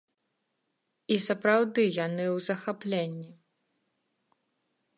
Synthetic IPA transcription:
isɐpɾawd̪ɨjanɨwzɐxaplʲenʲːi

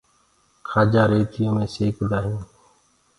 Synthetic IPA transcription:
kʰaːd͡ʒaːɾeːt̪ʰɪjõːmẽːseːkd̪aːɦjĩː

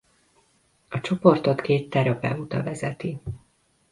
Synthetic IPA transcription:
ɒt͡ʃo̞po̞rt̪o̞t̪keːt̪ːɛɾɒpɛ̰ut̪ɒ̰vɛzɛt̪i

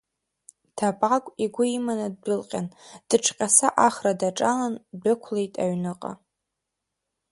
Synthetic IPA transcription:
tʰapʼakʷʼiɡʷʊimanad̚dɨlqʲʼand̥ɨʈ͡ʂʰqʲʼasaʔaχradaʈ͡ʂʼalandɨkʷʰlejtʼa̰ɥnɨqʼa̰

